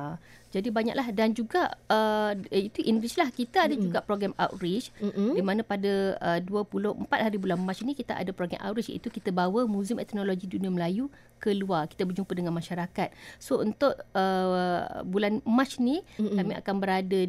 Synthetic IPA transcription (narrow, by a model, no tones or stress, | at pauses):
d͡ʒadibaɲa̰ʔlahdand͡ʒuɡaəit̪uʔinɾit͡ʃlahkit̪aadad͡ʒuɡaʔpɾoɡɾamawʔɾit͡ʃdimanãpadəəduəpulʊhʔəmpat̪̚haɾibulanmat͡ʃnikit̪aʔa̰dapɾoɡɾɛ̰mʔa̰ʔɾit͡ʃḭt̪ukit̪əbawəmũzɪmɛt̪noloɡidunĩaməlaju | kəluarki̥t̪əbərd͡ʒumpədəŋanmaʃaɾakat̪̚sount̪ʊʔə̰ | bulanmat͡ʃnikamĩa̰kanbəɾada